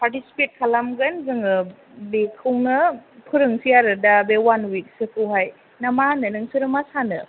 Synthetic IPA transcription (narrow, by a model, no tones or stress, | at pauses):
paɾtisi̥pet̚kʰalamɡɐnzɯŋɯ | bekʰːɯwnɯpʰɯɾɯŋsijaɾɯdabewanwik̚sepʰɯwɦaj | namanɯnɯŋsɯɾɯmasanɯ